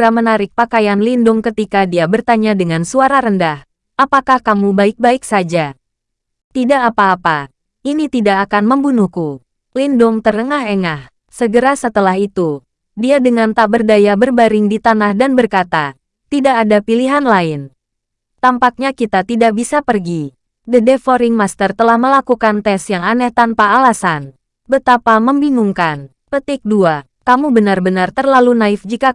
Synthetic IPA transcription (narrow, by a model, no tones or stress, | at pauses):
ɾamənaɾɪk̚pakajanlindʊŋkət̪ikadiabərt̪aɲadəŋansuaɾaɾəndah | ʔapakahkamubaɪk̚baɪksad͡ʒa | t̪idaʔːpaːpa | ʔinit̪idaʔːkanməmbunuhku | lindʊŋt̪ərəŋaɦɛŋah | səɡəɾasət̪əlaɦit̪u | diadəŋant̪abərdajabərbaɾɪŋdit̪anahdanbərkat̪a | t̪idaːdapiliɦanlaɪn | t̪ampak̚ɲakit̪at̪idaʔ̚bisapərɡi | dədefoɾɪŋmast̪ərt̪əlahməlakukant̪ɛsjaŋanɛht̪anpaːlasan | bət̪apaməmbinuŋkan | pət̪ɪk̚dua | kamubənarbənart̪ərlalunaɪfd͡ʒika